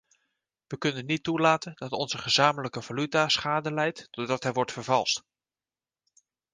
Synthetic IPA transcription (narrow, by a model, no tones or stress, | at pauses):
ʋəkɵnənːitːulaːtəndɑtɔnz̥əχəzaːmələkəvalytasχaːdəlɛjtːɔdɑtɦɛjʋɔɹtfəɹvɑlˠst